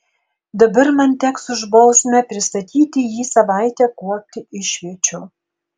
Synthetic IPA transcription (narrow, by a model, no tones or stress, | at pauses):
d̪ɐbɐɾmɐnt̪ʲɛksʊʒbɐʊsʲmʲɛpʲɾʲɪst̪ɐt̪ʲiːt̪ʲɪjiːsɐʋɑˑɪt̪ʲɛːkuɔk̚ʲt̪ʲɪʔɪʃʲʋʲɛt͡ʃʲʊ